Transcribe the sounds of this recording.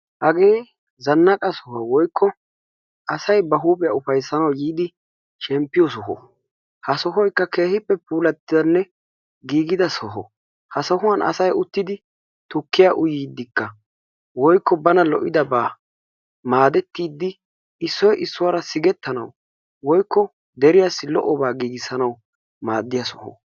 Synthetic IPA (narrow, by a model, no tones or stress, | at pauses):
hɐɡeː | zɐnːɐkʼɐsɔhɔwɔjkʰːɔ | ʔɐsɐjbɐɦuːpʼɪjaʊfɐjsːɐnɐwjiːd̪ɪ | ʃɛmpːɪjɔsɔɦɔ̰ | hɐsɔɦɔjkːɐke̞ːhɪpːɛpuːlɐt̪ːɪd̪ɐnːɛ | ɡiːɡɪd̪ɐsɔɦɔ̰ | hɐsɔhʊwɐnʔɐ̰sɐjʊt̪ːɪd̪ɪ | t̪ʊkːɪjaʔʊjiːd̪ːɪkːɐ | wɔjkːɔbɐnɐlɔʔɪd̪ɐbaː | maːd̪ɛt̪ːiːd̪ːɪ | ɪsːɔjʔɪsːʊwaɾɐsɪɡɛt̪ːɐnɐ̰w | wɔjkːɔ | d̪ɛɾɪjasːɪlɔ̰ʔɔbaːɡiːɡɪsɐnɐw | maːd̪ːɪjɐsɔhɔ̰